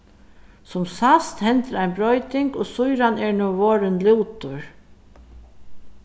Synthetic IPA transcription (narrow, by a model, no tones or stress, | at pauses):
sʊmsast̪hɛnt̪əɾajnbɾɔjt̪ɪŋkɔːsʊjɾanɛɹnɔʋoːɾɪnlɪwt̪ʊɹ